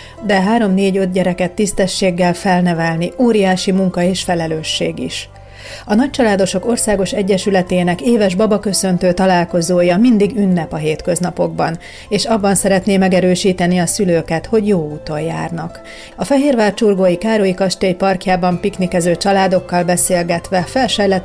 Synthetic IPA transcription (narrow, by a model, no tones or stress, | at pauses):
d̪ɛɦaːɾo̞mneːɟød̪̚ɟɛɾɛkɛt̪ːist̪ɛʃːeːɡːɛlfɛlnɛvɛlnioːɾijaːʃimuŋkɒeːʃfɛlɛløːʃːeːɡḭʃ | ɒnɒc̚t͡ʃɒlaːd̪o̞ʃo̞ko̞rsaːɡo̞ʃɛɟːɛʃylɛt̪eːnɛkeːvɛʒbɒbɒkø̞sø̞nt̪øːt̪ɒlaːlko̞zoːjɒmind̪iɡynːɛpɒɦeːt̪kø̞znɒpo̞ɡbɒn | eːʃɒbːɒnsɛɾɛt̪neːmɛɡɛɾøːʃiːt̪ɛniɒsyløːkɛt̪ho̞ɟjoːuːt̪o̞jja̰ːrnɒk | ɒfɛɦeːrvaːrt͡ʃurɡoːjikaːɾojikɒʃt̪ejpɒrkjaːbɒmpiknikɛzøːt͡ʃɒlaːd̪o̞kːɒlbɛseːlɡɛt̪ʋɛfɛlʃɛjlɛt̪